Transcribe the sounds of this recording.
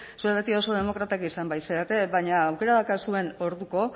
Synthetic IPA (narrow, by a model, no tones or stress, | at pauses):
sueβe̞t̪io̞so̞ð̞e̞mo̞kɾat̪akisambajseat̪e̞βaɲaːwke̞ɾaðakasue̞no̞ɾðuko̞